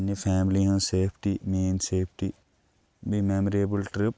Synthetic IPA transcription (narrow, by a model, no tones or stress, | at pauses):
nːifʰɛːmliɦãseːpʰʈimẽːnseːpʰʈi | bimemɾeːbəlʈɾɪp̚